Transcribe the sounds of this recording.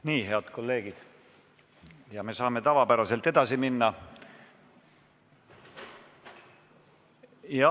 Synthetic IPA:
niːɦe̞ɑd̪̥ko̞lːe̞ːɡ̥id̪̥ | jɑme̞sɑːme̞t̪ɑvɑpæɾɑse̞lt̪ːˑe̞d̪̥ɑsiminːɑ | jɑ

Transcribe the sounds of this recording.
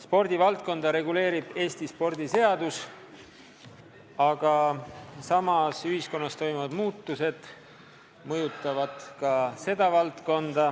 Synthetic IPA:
spo̞rd̪̥ʲivɑlt̪̚ko̞nd̪̥ɑɾe̞ɡule̞ːɾib̥e̞ːst̪ispo̞rd̪ise̞ɑd̪us | ɑɡ̥ɑsɑmɑsyɦisko̞nːɑst̪o̞jmuvɑd̪̥muːt̪ˑːuse̞d̪̥ | mɤjut̪ːˑɑvɑd̪̥kɑse̞d̪̥ɑvɑlt̪ko̞nd̪̥ɑ

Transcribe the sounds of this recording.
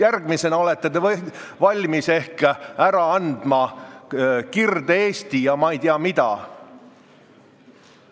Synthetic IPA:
jærɡ̥mise̞nɑo̞le̞t̪ːet̪e | vɑlʲmise̞hkæɾɑɑnd̪̥mɑ | kird̪̥eeːst̪ijɑmɑejt̪iɑmid̪ɑ̰

